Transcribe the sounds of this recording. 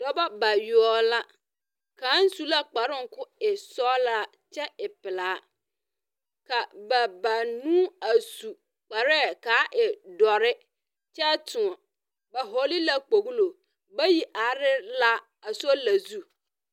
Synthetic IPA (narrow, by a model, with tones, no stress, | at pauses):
d̥ɔ˦ba˦ba˨ɥu˨ɔ˨la˦ | kʰãː˨˦n̩˦su˦la˦k͡pa˨ɾɪ˦ŋ̩˨kʰʊ˦ɛ˨sɔ˦la˦˨ | t͡ɕʰɛ˦ɪ˨pɪ˨laː˨˦ | kʰa˨ba˨ba˨nũ˦a˨su˨ | k͡pa˨ɾɛ˦˨kʰaː˨˦ʔɪ˨dɔ˨ɾɪ˦ | t͡ɕʰɛ˦tʰʊ˨ɔ̃˨ | ba˨ɦɔ˦li˦la˦k͡po˨ɡu˦lo˨ | bɛ˦ji˨ʔa˨˦ɾɪ˦la˦ | a˨sɔ˦la˨zu˦